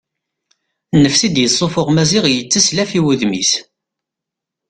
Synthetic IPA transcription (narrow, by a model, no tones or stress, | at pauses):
nːəfsid̪jəsˤːofoʁmæziʁjət͡sːəslæfiwuðmis